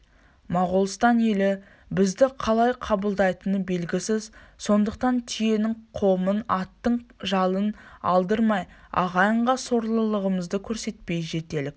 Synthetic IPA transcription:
mɑʁolˠst̪ɑne̞lɪ | bɪzd̪ɪqʰɑlˠɑjqʰɑbəlˠd̪ɑjt̪ənəbe̞lɡʲɪsɪzso̞nd̪əq̚t̪ɑnt̪ʰije̞nɪŋqʰo̞mənɑt̪ːəɴʒɑlˠənɑ̰lˠd̪əɾmɑjɑ̰ʁɑjəɴʁɑso̞ɾlˠəlˠəʁəməzd̪əkʲʰɵɾse̞t̪̚pe̞jʒe̞t̪e̞lɪk̚

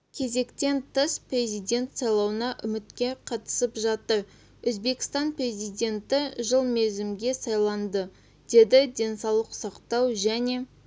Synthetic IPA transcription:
kʲʰe̞ze̞kt̪e̞nt̪ʰəspre̞zijd̪ʲe̞nt̪sɑjlˠɑwənɑʔʏmɪt̪kʲe̞qʰɑt̪ə̥səpʒɑt̪əɾ | wɵzbe̞kʲɪ̥st̪ɑnpre̞zijd̪ʲe̞nt̪ɪʒəlˠmezɪmɡʲe̞sɑjlˠɑnd̪ə | d̪̥e̞d̪ɪd̪ʲe̞nsɑwlˠəqsɑqt̪ɑwʒæne̞

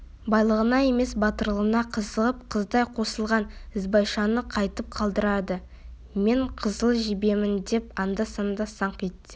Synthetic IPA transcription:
bɑjlˠəʁənɑe̞me̞sbɑt̪əɾlˠənɑqʰəzəʁəp̚qʰəzd̪ɑjqʰo̞səlˠʁɑnɪzbɑjʃɑnəqʰɑjt̪əp̚qʰɑlˠd̪əɾɑd̪ə | me̞ɴqʰəzəlˠʒɪbe̞mɪnd̪e̞pɑnd̪ɑsɑnd̪ɑsɑɴkʲet̪ːɪ̥

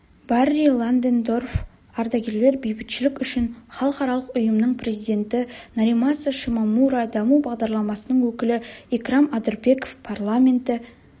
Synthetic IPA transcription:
b̥ɑrilˠand̪end̪o̞rf | ɑɾd̪ɑɡʲe̞ɾle̞ɾbejbɪk̪ʃɪlɪkʲʏʃɪnχɑlˠəqɑɾɑlˠəqʊjəmnəɴpʰɾe̞zijd̪e̞nt̪ɪnaɾijmasəʃimɑmuɾad̪ɑmubɑʁd̪ɑɾlˠɑmɑsənəɴwɵkʲɪlɪekramɑd̪əɾbe̞kofpʰarlˠamʲe̞nt̪ɪ

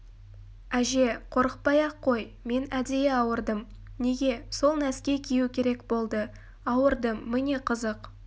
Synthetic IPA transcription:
æʒe̞qʰo̞ɾəq̚pɑjɑqʰːo̞j | me̞næd̪ejeɑwəɾd̪əm | ne̞ɡʲe̞so̞lˠnæskʲe̞kʲʰijukʲʰe̞ɾe̞kbo̞lˠd̪ə | ɑwəɾd̪əmːɪne̞qʰəzəq

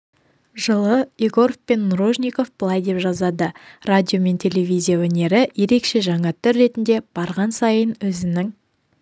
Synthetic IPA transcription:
ʒəlˠəiɡo̞ɾfpe̞nːuɾo̞ʒnʲiko̞fb̥əlˠɑjd̪e̞pʒɑzɑd̪əradʲijo̞me̞nt̪ʲʰe̞lʲe̞vʲijzʲijawɵne̞ɾɪje̞ɾe̞kʃe̞ʒɑɴɑt̪ʰʏɾːe̞t̪ɪnd̪e̞b̥ɑɾʁɑnsɑjənwɵzɪnɪŋ

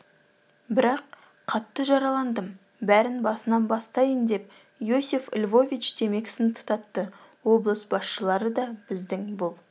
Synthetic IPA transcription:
bɪɾɑq | qʰːɑt̪ːəʒɑɾɑlˠɑnd̪əm | bæɾɪnbɑsənɑnbɑst̪ɑjənd̪e̞p̚ | josufɪ̰lʲvo̞vʲit͡ʃd̪̥e̞me̞ɡʲɪ̥sɪnt̪ʰʊ̥t̪ɑt̪ːəwo̞blˠəsbɑsʃəlˠɑɾəd̪ɑb̥ɪzd̪ɪŋbʊlˠ

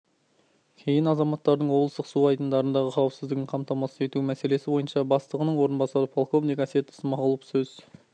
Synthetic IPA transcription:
kʲʰe̞jɪnɑzɑmɑt̪ːɑɾd̪əɴwo̞blˠəst̪əqsuɑjd̪ənd̪ɑɾənd̪ɑʁəqʰɑwəpsɪzd̪ɪɡʲɪɴqʰɑmt̪ɑmɑsəe̞t̪umæse̞le̞sɪbo̞jənʃɑbɑst̪əʁənəɴwo̞ɾənbɑsɑɾəpʰolˠko̞vijɡɑse̞t̪ə̥səmɑʁəlˠəpsɵz̥

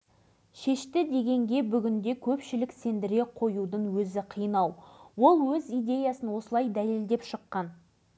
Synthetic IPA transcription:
ʃe̞ʃt̪ɪd̪e̞ɡʲe̞ŋɡʲe̞bʏɡʲɪnd̪e̞kʲʰɵpʃɪlɪkse̞nd̪ɪɾe̞qʰo̞jud̪əɴwɵzɪqʰijənɑwwo̞lˠwɵzijd̪e̞jasənwo̞səlˠɑjd̪æle̞ld̪e̞pʃəqːɑn

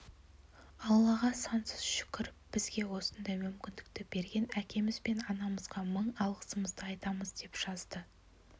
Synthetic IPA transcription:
ɑlˠːɑʁɑsɑnsəz̥ʃʏ̥kʲɪɾɪpb̥ɪzɡʲe̞wo̞sənd̪ɑjmʏmkʲɪnd̪ɪk̚t̪ɪbe̞ɾɡʲe̞nækʲe̞mɪzbe̞nɑnɑməzʁɑməɴɑlˠʁəsəməzd̪əɑjt̪ɑməzd̪e̞pʒ̥ɑzd̪ə

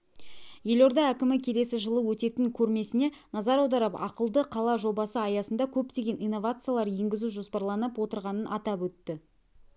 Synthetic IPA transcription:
je̞lo̞ɾd̪ɑækʲɪmɪkʲʰe̞le̞sɪʒəlˠəwɵt̪e̞t̪ɪŋkʲʰɵɾme̞sɪne̞ | nɑzɑɾɑwd̪ɑɾəpɑ̰qəlˠd̪əqʰɑlˠɑʒo̞bɑsəɑjɑsənd̪ɑkʲʰɵpt̪e̞ɡʲe̞nʔijnːo̞vat̪sɨjalˠɑɾje̞ŋɡʲɪzuʒo̞spɑɾlˠɑnəpwo̞t̪əɾʁɑnənʔɑt̪ɑpwɵt̪ːɪ

